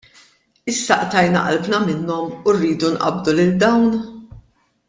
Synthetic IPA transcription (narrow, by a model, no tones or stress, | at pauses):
ɪsːɐʔt̪ɐjnɐ̰ʔɐ̰lbnɐmɪnːɔmurːiːd̪unʔɐ̰bd̪ulɪld̪ɐwn